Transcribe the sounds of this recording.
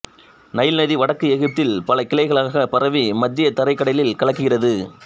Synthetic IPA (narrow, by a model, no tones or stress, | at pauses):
nɐjɪlnɐðiʋɐɽɐkːɯɛɣɯp̚t̪ɪlpɐlɐkɪlɐɪɣɐɭaːɣɐpɐɾɐʋimɐd̪ːɪjɐt̪ɐɾɐɪkːɐɽɐlɪlkɐɭɐkːɯɣɪrɐðɯ